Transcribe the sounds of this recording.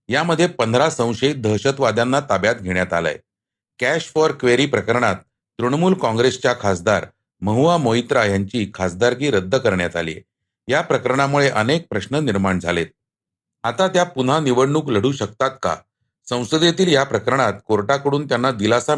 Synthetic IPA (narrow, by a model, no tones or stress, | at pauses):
jaməd̪ʱːjepənd̪ʱɾasə̃w̃ɕəit̪̚d̪ʱəɦɕət̪ʋad̪janːat̪abjat̪̚ɡʱeɳjat̪a̰lə̰j | kæɕfɔɾkʋeɾiːpɾəkəɾɳat̪ː | ɾuɳmuːlkɔ̃ŋɡɾest͡ɕjakʰasd̪aɾ | məɦuʋamoit̪ɾajaɲt͡ɕiːkʰasd̪aɾkiːɾəd̪ʱːəkəɾɳjat̪a̰lḭːḛ | japɾəkəɾəɳ̃amuɭeʔənek̚pɾəɕnəniɾmaɳd͡zʱalet̪̚ | at̪at̪japun̤aniʋəɽɳuːkləɽ̤uːɕəkt̪at̪̚ka̰ | sə̃w̃səd̪jet̪iːljapɾəkəɾɳ̃at̪̚koɾʈakəɽuːnt̪janːad̪ilasa